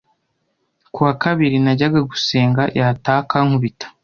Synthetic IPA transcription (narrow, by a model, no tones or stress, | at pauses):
kuwakaβiɾinaɟaɡaɡuse̞ːŋɡajataːkaŋhuβitḁ